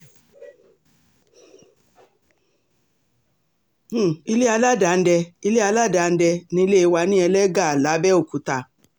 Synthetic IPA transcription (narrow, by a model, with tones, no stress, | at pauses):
i˧le˦a˧la˦da˨˧n̩˦dɛ˧i˧˦le˦a˧la˦da˨˦˨n̩˦dɛ˧nĩ˧i˧˦le˦e˧wa˧˦nĩ˦ɛ˧lɛ˦ɡa˦˨a˨la˨˦bɛ˦o˦˨ku˨˦ta˧